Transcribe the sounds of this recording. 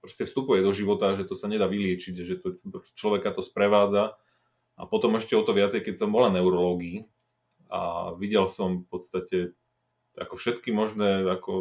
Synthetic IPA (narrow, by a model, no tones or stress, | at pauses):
pɾɔscɛfst̪upujɛd̪ɔʒiʋɔt̪aʒɛt̪ɔsaɲɛd̪aːʋilɪɛt͡ʃiɟaʒɛt̪ɔpɾɔscɛ̥t͡ʃlɔʋɛkat̪ɔspɾɛʋaːd͡za | a̰pɔt̪ɔmɛʃcɛɔt̪ɔʋɪat͡sɛjkɛcsɔmbɔlanɛʊɾɔlɔːɡiː | a̰ʋiɟɛlsɔmfpɔt̪st̪acɛ | a̰kɔfʃɛt̪kimɔʒnɛːakɔ